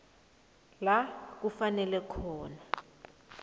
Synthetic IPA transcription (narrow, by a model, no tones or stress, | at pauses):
lak̬ufanɛlɛkʰɔːna